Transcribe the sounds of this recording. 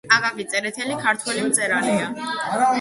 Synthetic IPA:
aɡavit͡s̪ʼɛɾɛt̪ʰɛlikʰaɾt̪ʰwɛlimt̪sʼɛɾanɛa

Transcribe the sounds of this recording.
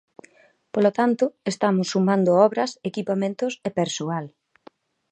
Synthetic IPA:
polot̪ant̪ʊest̪amʊsːumãnd̪ʊɔβɾɐsekipamẽnt̪ʊsepeɾsoal

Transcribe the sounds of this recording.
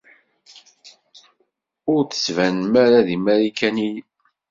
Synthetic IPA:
ʊɾθə̥svænmæɾaðimæɾikænij

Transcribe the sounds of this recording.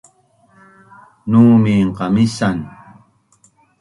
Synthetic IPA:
nuːmiːɴqɑmisan

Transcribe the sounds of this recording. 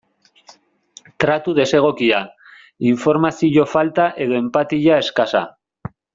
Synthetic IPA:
t̪ɾat̪uð̞e̞se̞ɣ̞o̞kia | iɱfo̞ɾmasiʎo̞falt̪aʔe̞ðo̞e̞mpat̪iʎae̞skasa̰

